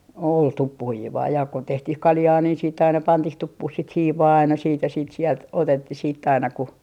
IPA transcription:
ol tupːuhiːʋɑː jɑˑ ko tehtih kɑljɑː niːn siːtː ɑinɑ pɑntih tupːuh sit hiːʋɑː ɑinɑ siːt jɑ siːt sielt otetːih siːtː ɑinɑ ku

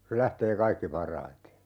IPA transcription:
se læhteː kɑikːi pɑrˑɑite

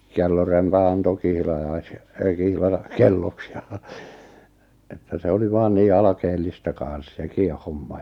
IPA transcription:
kelːorempɑn ɑnto kihlɑjɑis kihlɑ kelːoks jɑ etːæ se oli ʋɑːn niː ɑlɑkeːlːistɑ kɑ̃ːs sekiˑ homːɑ

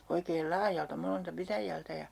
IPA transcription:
oikeːl lɑːjɑltɑ moneltɑ pitæjæltæ jɑ

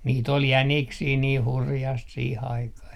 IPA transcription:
niːt ol jæniksiː niː hurjɑst siːh ɑikɑh

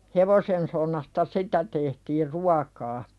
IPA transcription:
heʋosensonːɑstɑ sitæ tehtiːr ruɑkɑː

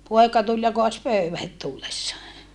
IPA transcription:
poekɑ tul jɑ koɑs pøyʋæ het tulːesːɑː

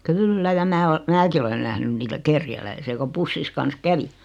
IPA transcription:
kylːæ jɑ mæː o mæːki olen næhnyn niːtæ kerjælæisiæ ko pusːis kɑns kæʋi

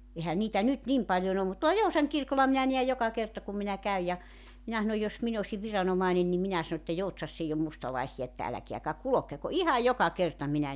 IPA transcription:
ehæ niːtæ nyt nim pɑljon om mut tuolɑ jousɑŋ kirkolɑ minæ niæj jokɑ kertɑ kum minæ kæyj jɑ minæ sɑnoj jos min osi ʋirɑnomɑenen ni minæ sɑno etːæ joutsɑsː eij om mustɑlɑesijɑ etːæ ælækeækæ kulokeko ihɑj jokɑ kertɑ minæ

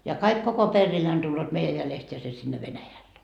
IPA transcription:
jɑ kɑik koko perːiːneːn tulːoːt meijæ jælest jɑ se sinːe ʋenæjælːe

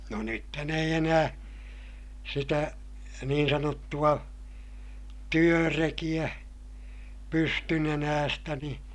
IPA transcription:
no nythæn eij enæː sitæ niːn sɑnotːuɑ tyørekij̆æ pystynenæːstæ ni

